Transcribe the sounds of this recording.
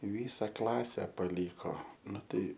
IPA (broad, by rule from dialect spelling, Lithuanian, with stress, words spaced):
ɪ ˈʋʲiːsɐ ˈklˠɑːsʲɛ pɐˈlʲiːkoː ˈnʊ ˈtɐɪ